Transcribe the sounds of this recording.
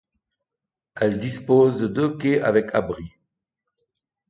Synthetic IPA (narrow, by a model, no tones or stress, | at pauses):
ɛld̪ispozd̪əd̪økeʔa̰vɛkʰabʁi